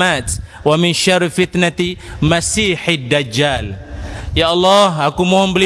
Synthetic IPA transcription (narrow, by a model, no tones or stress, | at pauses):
at̪ | wamɪnʃarfit̪nat̪imasiħɪd̪ːad͡ʒaljaʔɑlːɑɦakumoɦɔmbəli